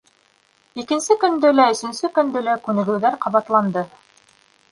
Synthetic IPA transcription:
ikɘ̆nsɘkɵ̆nd̪ɘlæɵ̆sɵ̆nsɘkɵ̆nd̪ɘlækʉnɘ̆ɡɘ̆wðæɾqɑβɑt̪lˠɑnd̪ɤ

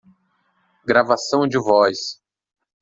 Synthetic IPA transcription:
ɡɾavasɐ̃w̃d͡ʒɪvɔjs

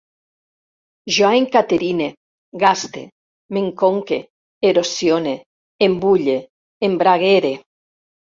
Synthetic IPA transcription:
ʒwaeŋkat̪eɾine | ɡast̪ḛ | meŋkoŋke | eɾosjone | embuʎeː | mbɾaɣeɾe

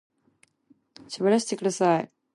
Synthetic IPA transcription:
ɕabaɾaɕi̥t̪ekɯd̪asaj

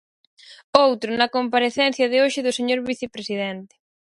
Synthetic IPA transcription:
owt̪ɾʊnɐkompaɾeθɛn̟θjɐðɪoʃɪðʊseɲoɾβiθepɾesið̞ɛnt̪ɪ̥

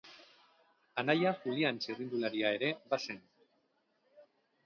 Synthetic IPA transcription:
anajaxuliant͡ʃerind̪ulaɾiae̞ɾe̞βasen

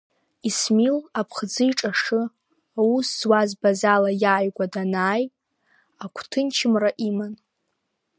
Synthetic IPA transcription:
ismilapʰχd͡zɨiʈ͡ʂʼaʂɨ | awusːwazbazalajaːjɡʷadanaːj | akʷʰtʰɨnt͡ʃʰɪmraʔiman

